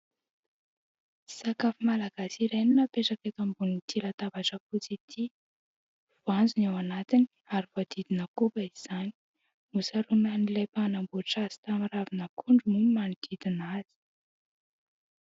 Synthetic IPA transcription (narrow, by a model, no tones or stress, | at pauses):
sakafumalaɡ̥asiɾeninəpeʈ͡ʂakek̪ambunint̪ilat̪avaʈ͡ʂəfut͡sit̪ʰi | v̥oand͡zunawanat̪ini | aɾivad̪̥id̪inəkubaiz̥ani̥ | musaɾunanilepanambuʈ͡ʂaz̥i̥t̪amiravinəkʰuɳɖ͡ʐumuimanid̪̥id̪inaz̥i̥